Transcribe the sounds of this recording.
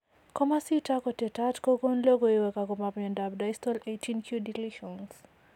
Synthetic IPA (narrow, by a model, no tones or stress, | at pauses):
kɔmasitakɔtɛtatkɔɡɔnlɔɡɔiwɛkakɔmamɛndab̚dajstɔletʰinkʰjudiliʃɔns